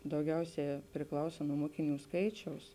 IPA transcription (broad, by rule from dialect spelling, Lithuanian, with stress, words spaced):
dɐʊˈɡʲɛʊˌsʲæː pʲrʲɪˈklˠɐʊsɐ nuɔ ˈmoːkʲɪˌnʲuː ˈskɐɪt͡ʃʲɛʊs